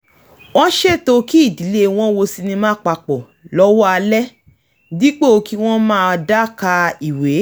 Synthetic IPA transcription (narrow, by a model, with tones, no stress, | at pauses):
w̃ɔ̃˦ʃe˦˨to˧ki˦i˦˨di˨˦le˦w̃ɔ̃˦wo˧si˧nĩ˧mãː˦k͡pa˧k͡pɔ˨ | lɔ˦wɔ˦a˧lɛ˦ | di˦k͡pe˦o˧ki˦w̃ɔ̃˦mãː˦˧da˦ka˧i˨we˨˦